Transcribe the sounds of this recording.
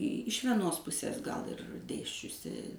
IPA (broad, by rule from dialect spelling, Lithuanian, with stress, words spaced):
ɪʃ ʋʲiɛˈnoːs ˈpʊsʲeːs ɡɐlˠ ɪr ˈdʲeːsʲt͡ʃʲʊsʲɪ